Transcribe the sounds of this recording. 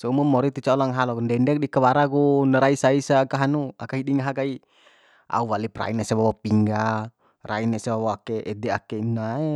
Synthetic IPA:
sɔumumɔɾit̪it͡ʃaɔlaŋɦalɔkundɛndɛk̚dikəwaɾakunəɾaisaisakaɦanua̰kaɦiɗiŋaɦakai | a̰uwalipra̰inasɛβawapiŋɡa | ra̰inasɛbawɔakɛʔːdɛakɛnae

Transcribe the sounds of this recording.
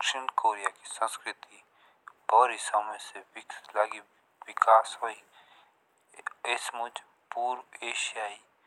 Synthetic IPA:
kʃɪɳkoːɾijakisə̃nskɾɪt̪i | bɔːɾisamẽselaɡi | wɪkʰaːsɦoi | esmʊd͡ʒ | puːɾeːʃijaːi

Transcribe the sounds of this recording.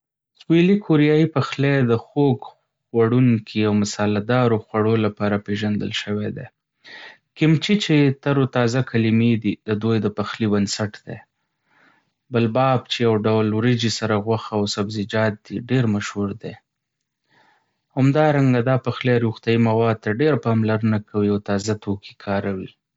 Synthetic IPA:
swilikʰoɾijɑjipaxled̪əxoɡ | waɽuŋkʰiawmʊsɑlad̪ɑɾoxwaɽolapɑɾapeʒand̪ə̰lʃəwed̪ḛ | kɪmt͡ʃit͡ʃet̪aɾot̪ɑzakalimed̪id̪əd̪ojd̪əpaxlibansaʈd̪̥ḛ | bəlbɑb̚t͡ʃejawɖawlwɾid͡ʒisaɾaɣwaxaawsabzɪd͡ʒɑt̪̚d̪iɖeɾmaʃhuɾd̪e | hamd̪ɑɾaŋɡad̪ɑpaxlejaɾuxt̪jaimawɑd̪̚t̪aɖeɾpɑmlaɾənakawiawt̪ɑzat̪okʰi̥kʰɑɾawi

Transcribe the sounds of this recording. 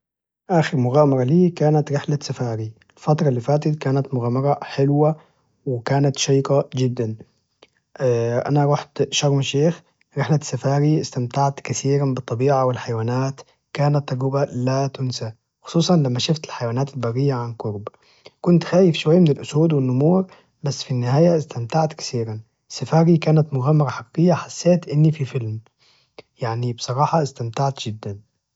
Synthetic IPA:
ʔaːxɪɾmʊɣaːmɑɾˤɑliːkaːnat̪ɾɪħlasafaːɾiɪlfɑt̪ɾˤɑlːiːfaːt̪ɪt̪̚kaːnat̪mʊɣaːmɑɾˤɑħɪlwa | wɪkaːnat̪ʃɑjqɑd͡ʒɪd̪ːan | ʔa̰naɾˤɑħt̪ʃɑɾˤmʃeːx | ɾɪħlasafaːɾiʔɪst̪amt̪aʕt̪kaθiːɾanbɨt̪ˤːɑbiːʕawɪlħajwaːnaːt̪ | kaːnat̪ːɑɡʊbalat̪ʊnsa | xʊ̥sˤuːsˤɑnlamːaʃʊft̪ɪlħajwaːnaːt̪ɪlbɑrːɪjːaʕankʊɾb | kʊnt̪xaːjɪfʃʊwajːmɪnɪlʔʊsuːd̪wɪnːʊmuːɾ | basːfinːɪhaːjaɪst̪amt̪aʕt̪kḁθiːɾan | sːafaːɾikaːnat̪mʊɣaːmːɑɾˤɑħɑqiːqɪjːaħasːeːt̪ʔɪnːififɪlm | jaʕnibɨsˤɑɾˤɑːħɑʔɪst̪amt̪aʕt̪d͡ʒ̥ɪd̪ːan

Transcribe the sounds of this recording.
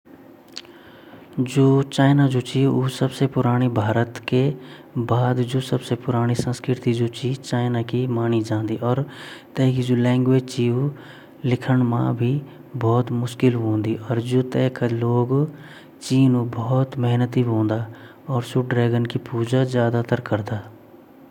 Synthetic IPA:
d͡ʒoːt͡ʃaːɪnad͡ʒoːt͡ʃiːʊːsəbsepʊɾaːɽ̃ibʱaːɾət̪kebaːd̪d͡ʒoːsəbsepʊɾaːɽ̃isə̃nskɾɪt̪id͡ʒoːt͡ʃit͡ʃaːɪnakimaːnid͡ʒãːnd̪iːʔɔːɾt̪ɛːkid͡ʒoːlɛ̃ːŋɡʋeːd͡ʒt͡ʃiːu | lɪkʰəɳmã̰bʱi | bɔːt̪mʊʃkɪlɦõːnd̪iɔːɾd͡ʒoːt̪ɛːkaloːɡ | t͡ʃiːnubɔːt̪məɦnət̪iɦõːnd̪aː | ɔːɾsʊɖɾɛːɡənkipuːd͡ʒazjaːd̪at̪əɾkəɾd̪aː

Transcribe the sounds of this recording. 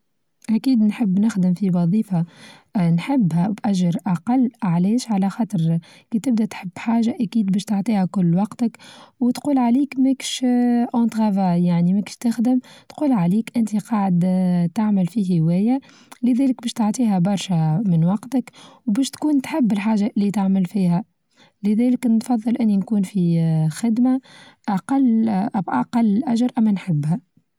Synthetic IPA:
ʔækiːd̪nħəbːnɪxd̪ɪmfiwɑðˤiːfɑ | nħɪbːhæbʔæʒːɪɾʔɑqɑlːʕlɛːʃʕalæxɑːt̪ˤəɾ | kit̪ɪb̚d̪æt̪ħəbːħaːʒaʔækiːd̪̚bæːʃt̪oʕt̪ˤiːhækʊlːwɑqt̪əkwt̪quːlʕaliːkmækʃʔɑ̃nt̪ˤɣɑvajaʕnimækʃt̪ɪxd̪əmt̪quːlʕaliːkʔɪnt̪iqɑːʕd̪t̪aʕməlfiɦɪwɛːja | lɪðæːlɪk̚bæːʃt̪oʕt̪ˤiːɦæbɑɾˤʃæmɪnwɑqt̪əkwbæːʃt̪kuːnt̪ħɪbːɪlħaːʒaʔlːit̪aʕməlfiːhæ | lɪðæːləknfɑðˤːɨlʔɪnːinkuːnfixɪd̪maʔaqɑlːʔʔaqɑlːlʔæʒɑɾˤʔæmːænħɪbːhæ

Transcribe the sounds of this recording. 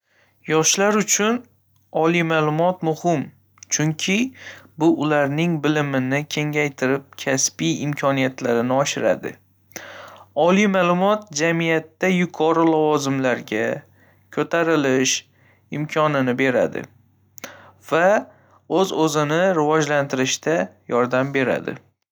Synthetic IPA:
jɒʃlaɾʊt͡ʃʰʊn | ɒlijmalˠʊmɒt̪mʊhɪm | t͡ʃʰʊŋkʲʰɪbʊʔʊlaɾnɪŋbɪlɪmɪnɪkʲʰe̞ŋajt̪ʰɪɾɪp̚kʲʰaspijɪmkʲʰɒnijat̪laɾɪnɪɒʃɪɾa̰d̪ɪ̰ | ɒlijmaːlˠʊmɒt̪̚d͡ʒamijat̪ːajʊkʰɒɾɪlavɒzɪmlaɾɡʲa | kʲʰɵt̪ʰaɾɪlɪʃ | ɪmkʲʰɒnɪnɪbe̞ɾa̰d̪ɪ̰ | v̥a | ɵzɵzɪnɪɾɪvɒd͡ʒlant̪ʰɪɾɪʃt̪ajɒɾd̪ambe̞ɾa̰d̪ɪ̰

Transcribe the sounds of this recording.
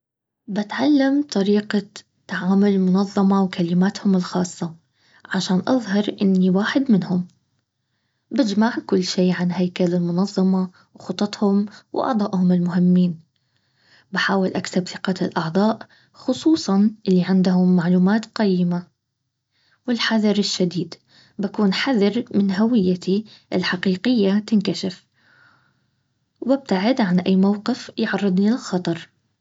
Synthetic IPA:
bat̪ʕalːamt̪ˤɑɾiːqa | t̪ːaʕaːmʊlɪmʊnɑðˤːɑmɑwkʰalɪmaːt̪hʊmɪlxɑːsˤːɑ | ʕaʃaːnʔɑ̰ðˤhɑɾˤʔɪnːiwaːħɪd̪mɪnhʊm | bɪd͡ʒmaʕkʊlːʃiːʕanɦajkalɪlmʊnɑðˤːɑmɑ | wxʊt̪ˤːɑt̪ˤhʊmwʔɑ̰ʕd̪ˤɑːʔhʊmɪlmʊɦɪmːiːn | baħaːwɪlʔaksabθɪqɑɪlʔɑʕðˤɑːʔ | xʊsˤuːsˤɑnʔɪlːiʕɪnd̪hʊmːaʕluːmaːt̪qajːɪma | wɪlħaðɑɾɪʃːad̪iːd̪ | bakuːnħaðɑɾmɪnɦawɪjːat̪ʰiʔɪ̰lħaqiːqɪjːat̪ɪnkaʃɪf | bɪb̚t̪aʕɪd̪ʕanʔajːmawqɪfjʕɑrˤːɨd̪ˤnilɪlxɑt̪ˤɑɾˤ

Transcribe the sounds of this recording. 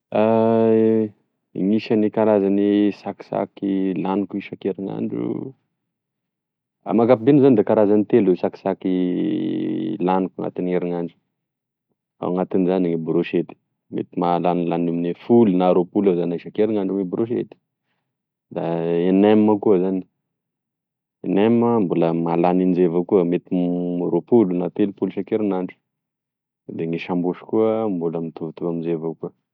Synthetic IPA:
a | iŋiʃanikaɾazanisaki̥sa̰kilanikuiʃakeɾiŋa̰ɳɖ͡ʐṵ | a̰maɡapibenuzanid̪ekaɾazanit̪elesaki̥saki | lanukaŋa̰t̪ineɾiŋaɳɖ͡ʐu̥ | a̰waŋat̪inizaniŋibɾoʃet̪i̥ | mḛt̪imalanlanuminefulunaɾopulazanaʃakeɾiŋaɳɖ͡ʐuŋibɾoʃ̬ḛt̪i̥ | d̪aenemːəkuəzani̥ | eneməmbuləmalanind͡ʒevakuəmet̪iɾopulunat̪elupuluʃakeɾunaɳɖ͡ʐu̥ | d̪eŋiʃambuʃu̥kuəmbuləmit̪uvt̪uvamizevakuə

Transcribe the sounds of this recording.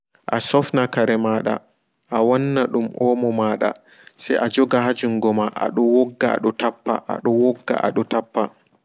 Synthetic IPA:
ʔasɔfnakaɾɛmaːɗa̰ | ʔawɔnːaɗumʔɔːmɔmaːɗa̰ | sɛjʔad͡ʒɔɡaɦad͡ʒuŋɡɔmaʔa̰ɗɔwɔɡːa̰ɗɔtapːa̰ʔa̰ɗɔwɔɡːa̰ʔa̰ɗɔtapːa

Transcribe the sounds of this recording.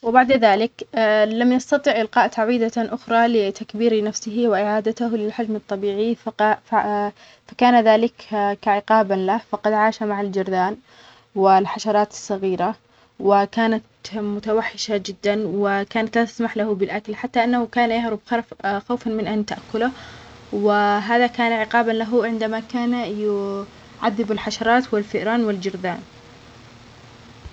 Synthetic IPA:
wɪbaʕd̪aðaːlɪkːlamjɑst̪ɑt̪ˤiʕʔɪlqɑːʔt̪aʕwiːd̪aʔʊxɾˤɑlɪt̪akbiːɾinafsɪɦiwɪʔɪʕaːd̪at̪ʊhlɪlħad͡ʒmɨt̪ˤːɑbiːʕiffa | fakaːnaðaːlɪkkaʕɪqɑːbanlahfɑqɑd̪ʕaːʃamaʕald͡ʒɪɾˤd̪aːn | wɪlħaʃɑɾˤɑːt̪ɪ̥sˤːɑɣiːɾa | wɪkaːnat̪mʊt̪awaħːɪʃad͡ʒɪd̪ːanwɪkaːnat̪laːt̪asmaħlahʊbɪlʔakalħat̪ːaʔɪnːahʊkaːnajahɾˤubxɑɾˤfxawfanmɪnʔant̪aʔakːʊlʊ | wɪɦaːðakaːnaʕɪqɑːbanlaɦʊʕɪnd̪amakaːnjʊ | ʕaðːɪbɪlħaʃɑɾˤɑːt̪wɪlfɪʔɾɑːnwɪld͡ʒɪɾd̪a̰ːn

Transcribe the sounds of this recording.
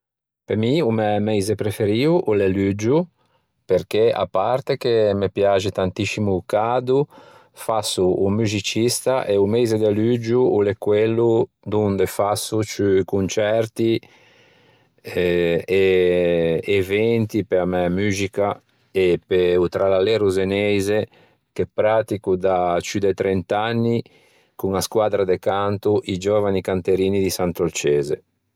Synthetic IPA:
pemiumɛmɛjzepɾefeɾiuʔulelyd͡ʒu | peɾk̟ea̰paɾt̪ek̟emepjad͡ʒit̪ant̪isimuːkad̪u | fasuːmyzit͡ʃist̪aʔeumɛjzed̪elyd͡ʒuulekwelːu | d̪und̪efasut͡ʃykunt͡ʃɛɾt̪i | ɛe | evɛnt̪ipeamɛamyːzika | epeut̪ɾalalɛɾuzenɛjze | kepːɾat̪ikud̪at͡ʃyd̪ɛt̪ɾent̪anːi | kuŋaskwaːd̪ɾad̪ekant̪uʔid͡ʒovanikant̪eɾiːnid̪isant̪olt͡ʃɛːzḛ

